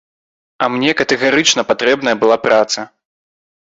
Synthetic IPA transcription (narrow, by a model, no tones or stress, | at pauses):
ɐmnʲɛkɐt̪ɛɣaɾɨt͡ʂnɐpat̪ɾɛbnɐjɐbɨlˠapɾʔat̪sɐ